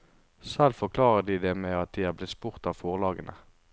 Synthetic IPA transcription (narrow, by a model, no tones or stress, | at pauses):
sɛlfɔʁkʰlɑːʁəd̪iːd̪eːmeːɑt̪̚d̪iːæːʁblɪt̪spʊʁt̪ɑːʋfoːʁlɑːɡənʔə̰